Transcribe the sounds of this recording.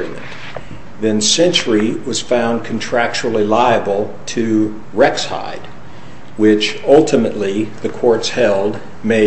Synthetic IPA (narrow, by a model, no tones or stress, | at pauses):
imɨ̰̃n | ðɨ̃nsɛ̃nt͡ʃə˞iwʌz̥fãʊ̃nkʰn̩tʰɹ̥æk̚t͡ʃul̩ˠilaɪɨbl̩ˠ | tʰɨ | ɹɛksha̰ɪd̚ | wɪt͡ʃʌlˠtʰɨmɨʔˡliðɨkʰɔɹtshɛlˠd | meɪ